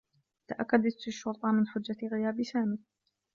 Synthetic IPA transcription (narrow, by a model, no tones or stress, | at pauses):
t̪aʔakːad̪at̪ɪʃːʊɾt̪ˤɑmɪnħʊd͡ʒːaɣɪjaːbsaːmɪk̚